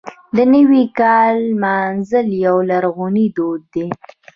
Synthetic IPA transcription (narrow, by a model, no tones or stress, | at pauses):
d̪ənəwikɑlmɑnzəljawlaɾɣunid̪od̪̚ːe